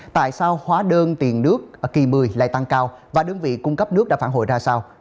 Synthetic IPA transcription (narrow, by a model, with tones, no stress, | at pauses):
t̪a̰ː˧˨jsaː˧whwaː˨˦ɗəː˧nt̪i˨˩ənnɨ˦˥ək̚ki˨˩mɨ˨˩jla̰ː˧˨jt̪a˧ŋkaː˧w | vaː˨˩ɗɨ˧əŋvḭ˧˨kʊ˧ŋ͡mkə˦˥p̚nɨ˦˥k̚ɗa̰ː˧˥faː˧˩ɦo̰˧˨jzaː˧saː˧w